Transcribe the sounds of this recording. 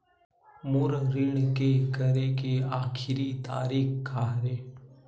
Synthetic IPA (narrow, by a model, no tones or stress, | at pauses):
mʊɾɾɪɳ̃kekəɾekeaːkʰɪɾit̪a̰ːɾiːkkaːɾeː